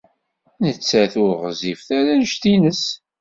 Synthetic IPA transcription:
nət͡sːæθʊɾʁzifθæɾænʃt̪inəs

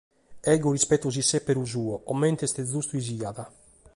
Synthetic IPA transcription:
ɛɡorispɛt̪ːoz̬isːepːeɾuzuːɔʔɔmːɛnt̪est̪ezust̪uiz̬iaða

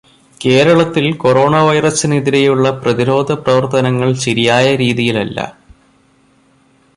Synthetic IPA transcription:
ke̞ːɾɐɭɐt̪ːilko̞ɾo̞ːɳɐʋɐjrɐsineðiɾe̞juɭːɐprɐðiɾo̞ːd̪ʱɐprɐʋɐrt̪ɐnɐŋːɐɭɕɐɾijaːjɐɾiːðijilɐlːɐ̰

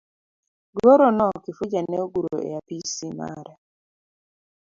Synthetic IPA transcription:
ɡoɾonɔkifud͡ʒanɛoɡuɾo̰ḛapisima̰ɾɛ

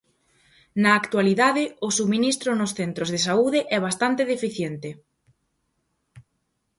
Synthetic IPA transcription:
nɐːkt̪waliðaðɪʊsuβmĩnist̪ɾʊnʊsθent̪ɾʊzðesauðɪʔɛβ̞ast̪ant̪eðefiθjent̪ɪ

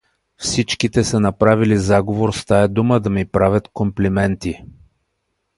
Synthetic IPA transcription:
fsit͡ʃkit̪ɛsənɐpɾavilizaɡovoɾst̪aɛd̪uməd̪ɐmipɾavʲət̪komplimɛnt̪i

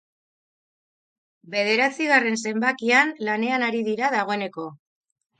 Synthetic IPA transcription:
be̞ð̞e̞ɾat͡siɣare̞ns̬e̞mbakianlane̞anaɾiðiɾað̞aɣo̞e̞ne̞ko̞

